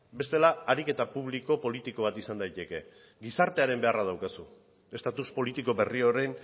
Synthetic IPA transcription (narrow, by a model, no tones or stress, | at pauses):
be̞st̪e̞laːɾike̞t̪apuβ̞liko̞po̞lit̪iko̞β̞at̪isand̪ajt̪e̞ke̞ | ɡisaɾt̪e̞aɾe̞mbe̞arað̞awkasu | e̞st̪at̪uspo̞lit̪iko̞βe̞rio̞ɾe̞n